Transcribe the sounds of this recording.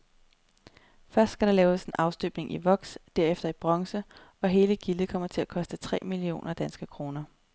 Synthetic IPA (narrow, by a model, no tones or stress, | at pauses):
fɶɐsd̥sɡ̥æɾ̥ɑ̈lɛːʊse̝nʔɑ̈ʊsd̥øb̥ne̝ŋʔiʋɒ̽ɡ̥sd̥æɐ̰efd̥ɐib̥ʁɑŋsəɒ̽ɦe̝ːləɡ̥ilð̩ˠkʰɒ̽m̰ɐt͡sʰe̝lækʰɒ̽sd̥ət͡sʰʁɛ̰ːmilio̝̰ːnɐd̥ænsɡ̥əkʰʁo̝ːnɐ